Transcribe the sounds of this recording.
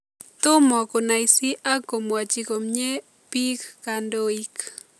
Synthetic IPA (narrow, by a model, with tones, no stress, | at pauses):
t̪ʊ˦mɔ˨ko˨na˨isi˦ʔa˦ko˨mwa˨t͡ʃi˨ko˨mɲe˦ | pi˦kːa˨ndo˦i˦k